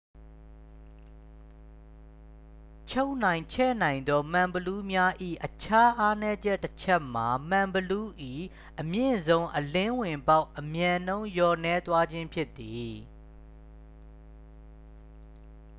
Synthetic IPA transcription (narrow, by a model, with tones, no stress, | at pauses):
t͡ɕʰo˦ʊʔn̥ã˨ɪ̃t͡ɕʰɛ̰˦˨nã˨ɪ̃nd̪ɔ˦m̥ã˨mbəlu˦mja˦ʔḭ˦˨ʔət͡ɕʰa˦ʔa˦nɛ˦d͡ʑɛ˦ʔtːət͡ɕʰɛ˦ʔm̥a˨m̥ã˨mbəlu˦ʔḭ˦˨ | ʔəmjɪ̰̃˦˨zõ˦ʊ̃ʔəlɪ̃˦wɪ̃˨mba˦ʊʔəmjã˨nõ˦ʊ̃jɔ˨nɛ˦t̪wa˦d͡ʑɪ̃˦mpʰjɪ˦t̪ːi˨